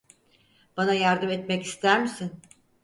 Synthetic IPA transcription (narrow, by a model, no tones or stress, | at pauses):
b̥anajaɾd̪ɯmɛt̪mɛcist̪ʰæɾmisin